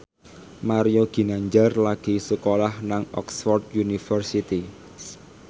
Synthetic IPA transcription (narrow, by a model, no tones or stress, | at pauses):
maɾijoɡ̥i̤naɲd͡ʒarlaɡ̥i̤səkolahnaŋɔ̰ksfɔrd̪junifərsit̪i